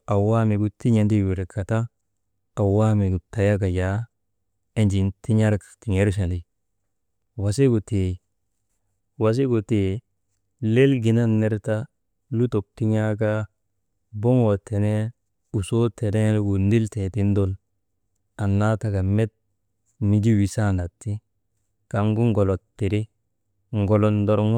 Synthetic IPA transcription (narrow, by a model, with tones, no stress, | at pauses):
a˨wa˦mi˨ɡu˨ti˦ɲa˨ndi˦wi˨ɾka˨ta˦ | a˨wa˦mi˨ɡu˨ta˨ja˦ka˨ja˨˦ | e˦nd͡ʒi˨nti˦ɲa˦ɾkti˨ŋe˦ɾs̬a˨li˨ | wa˨si˦ɡu˨te˨ | wa˨s̬i˦ɡu˨te˨ | le˦lɡi˨na˦nːe˦ɾta˦ | lu˦to˨k̚ti˦ɲa˦ka˦ | bo˦ŋo˨tʰe˨ne˦ | u˨so˦te˨ne˦ɡu˨ndi˦lte˨ti˦n˦do˦l | a˨nːa˦ta˨ka˨me˦t̚ | ni˨d͡ʒi˦wi˨sa˦na˨tːi˦ | ka˨ŋɡu˦ŋɡo˨lo˨tːi˨ɾi˦ | ŋ˨ɡo˨lo˨ndo˦ɾŋ˦